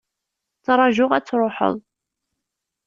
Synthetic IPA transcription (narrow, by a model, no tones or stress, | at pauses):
t͡sɾˤɑʒʊʁæt͡sːɾˤʊħə̰ðˤ